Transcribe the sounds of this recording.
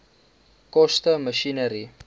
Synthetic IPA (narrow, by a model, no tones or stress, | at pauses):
kost̪əməʃinəɾi